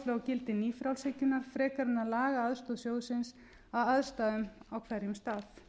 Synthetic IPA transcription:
flɛɣacɪlt̪ɪniːfɾawlsɛcʏnaɾ̥fɾɛːkaɾʏnːaðlaːɣaaðst̪oðsjoːwðʏsɪns | aðaðst̪aːðʏmawkʰvɛɾjɪmst̪aːθ

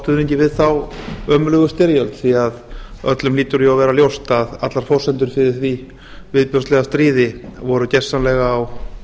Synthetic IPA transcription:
st̪ʏðneɲcɪvɪðθawœːmʏlœɣʏst̪ɪɾjœlt̪θiaðœ̰t̪lʏmliːt̪ʏɾiawvɛːɾaljowst̪aðat̪laɾ̥fɔwsɛnt̪ʏɾ̥fɪðɪθvi | vɪðpjœst̪lɛɣast̪ɾiːðɪvɔɾʏcɛ̥sːanlɛɣaːw

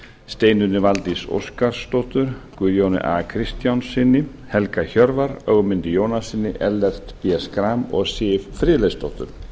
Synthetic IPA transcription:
st̪eːjnʏɾnɪvalt̪iso̰wskaɾ̥st̪ɔht̪ʏɾ̥kʏːðjownɪ̰ʔa̰kʰɾɪst̪jawnsɪnːɪ | hɛlkaçœɾvaɾœɣmɪnt̪ɪjoːwnasɪnːɪʔɛlːɛr̥t̪pjɛskɾamɔɣsɪffɾɪːlejst̪ɔht̪ʏ̰ɾ̥

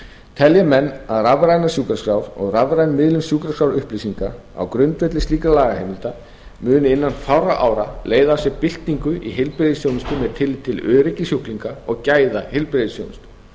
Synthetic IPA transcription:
t̪ʰɛljamɛnːaðravɾajnasjuːkɾaskɾawɾɔɣravɾajnmɪðlʏmsjuːkɾaskawɾʏhplejsiŋka | a̰wkɾʏnt̪vɛt̪lɪst̪iːkalaːɣahejmɪlt̪a | mʏːnɪɪnːanfawraʔaːwɾaleːjðasjɛpɪl̥t̪niŋkʏʔiɦɪlpɾeðsjoːwnɪst̪ʏmɛðt̪ʰɪlɪt̪ʰːɪlœːɾɪcːɪsjuhkliŋkaɔɣcaːjðahɪlpɾeðɪsjo̰wnɪst̪

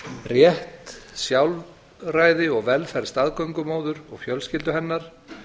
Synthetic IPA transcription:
rjɛht̪sjawl | raːjðɪɔɣvɛlfɛɾst̪aðkœɥŋkʏmoːwðʏɾɔ̰ɣfjœlscɪlt̪ʏɦɛnːaɾ̥

